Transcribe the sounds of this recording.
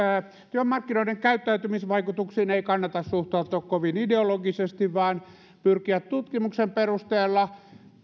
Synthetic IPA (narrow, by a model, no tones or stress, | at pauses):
t̪yømːɑrkːinoˑiɾeŋkæyt̪ːæyt̪ymisʋɑikut̪uksiːneikɑnːɑt̪ɑssuht̪ɑˑut̪oːkkoʋinideoloɡisest̪iʋʋɑːn | pyrkiæt̪t̪ut̪kimuksemperust̪eːlːɑ